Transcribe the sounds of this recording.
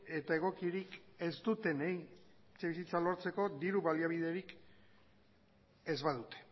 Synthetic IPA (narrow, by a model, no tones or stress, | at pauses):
e̞t̪aeɣ̞o̞kiɾike̞zt̪ut̪e̞nej | t͡seβisit͡salo̞ɾt͡se̞ko̞d̪iɾuβaliaβiðe̞ɾik | e̞zβaðut̪e̥